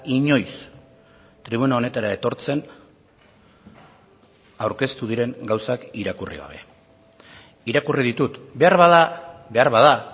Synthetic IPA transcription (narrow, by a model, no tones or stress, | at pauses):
iɲo̞js | t̪ɾiβ̞unao̞ne̞t̪aɾae̞t̪o̞ɾt͡se̞n | awɾke̞st̪uð̞iɾe̞ŋɡawsakiɾakurḭɣ̞a̰β̞e̞̰ | iɾakuriðit̪ut̪be̞aɾβaðabe̞aɾβaða